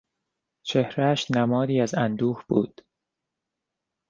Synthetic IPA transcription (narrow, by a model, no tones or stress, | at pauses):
t͡ʃʰe̞hɾæʃnæmɒːd̪iːæzænd̪uːhb̥ṵːd̪̥